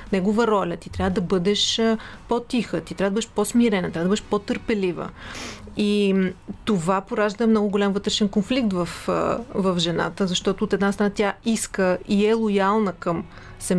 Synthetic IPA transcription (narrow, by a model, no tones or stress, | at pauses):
nɛɡovəɾɔlʲət̪i̥t̪ɾjavəd̪ɐbɤd̪ɛʃpot̪ixət̪it̪ɾʲavəd̪əbəd̪ɛʃposmiɾɛnɐt̪ɾavəd̪bəd̪ɛʃpot̪əɾpɛlivə̰ | it̪ovapoɾaʒd̪əɛmnɔɡʊɡolʲamvɤt̪ɾɛʃɛnkonflik̚t̪vɐfvɐfʒɛna̰t̪əzɐʃt̪ɔt̪oːt̪ɛd̪nast̪ɾənat̪ʲjaiskəiɛlˠojalˠnəkɐm | sɛm